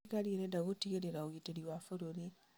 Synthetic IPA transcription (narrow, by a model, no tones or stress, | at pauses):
kalieɾedaɣutiɣeɾeɾaoɣiteɾiwafuɾuli